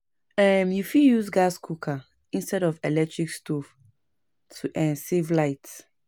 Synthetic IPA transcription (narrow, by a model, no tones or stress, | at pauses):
ɛmjufijuzɡaskʰukʰa | ĩnstɛɾɔvɛlɛk̚tɹikstʰof | tʰuʔɛ̃nsevlaɪt